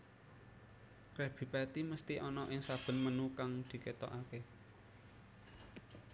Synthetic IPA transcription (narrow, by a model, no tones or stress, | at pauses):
kɾɛb̥i̤pɛt̪iməst̪iʔɔnɔʔɪŋsab̥ə̤nmənukaŋd̪̥i̤ket̪ɔ̰ʔake